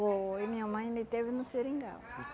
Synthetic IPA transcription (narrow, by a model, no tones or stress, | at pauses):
oɪmĩɲɐmɐ̃j̃mɪt̪evɪnʊseɾĩŋɡa̰l